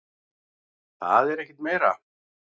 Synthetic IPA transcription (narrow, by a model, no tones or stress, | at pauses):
θa̰ðɛɾɛhcɪt̪meːjɾa̰